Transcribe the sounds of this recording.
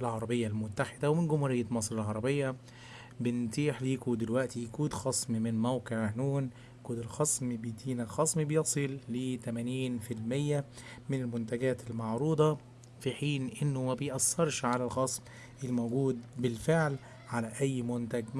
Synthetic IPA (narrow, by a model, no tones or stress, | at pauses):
ʔɪlʕɑɾˤɑbejːalmʊt̪ːaħɪd̪æwmɪnɡʊmhuɾɪjːamɑsˤɾɪlʕɑɾˤɑbɪjːæ | bɪnt̪iːħliːkud̪ɪlwæʔt̪ikuːd̪xɑsˤmmɪnmæwqeʕnuːn | kuːd̪ɪlxɑsˤmbejt̪iːnæxɑsˤmibjɑsˤɨlːiːt̪æmæniːnfilmɪjːæmɪnɪlmʊnt̪æɡæːt̪ɪlmɑʕɾuːd̪ˤɑ | fiħiːnʔɪnːʊmæbejʔæsːɑɾˤʃʕalælxɑsˤm | ʔɪlmowɡuːd̪̚bɪlfeʕl | ʕalæʔæjːmʊnt̪æɡ